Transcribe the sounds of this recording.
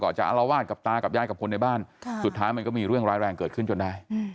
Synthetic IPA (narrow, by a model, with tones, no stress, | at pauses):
kɔ̰ː˨˩nt͡ɕa̰˨˩ʔa˧la˧waː˥˩t̪̚ka˨˩p̚t̪aː˧ka˨˩p̚jaː˧˩jka˨˩kʰo˧nːa˧jbaː˥˩nsu˨˩t̪ʰːaː˦˥jma˧nkɔː˥˩miː˧ɾɯ˥˩əŋɾaː˧jɾɛː˧ŋkɤː˨˩t̪̚kʰɯ˥˩nt͡ɕo˧nda˧˩j